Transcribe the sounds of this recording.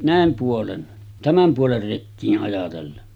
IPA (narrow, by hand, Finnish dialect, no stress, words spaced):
næˑem puolen tæmæm puoler rekːiːʔ ʔɑjɑtelːen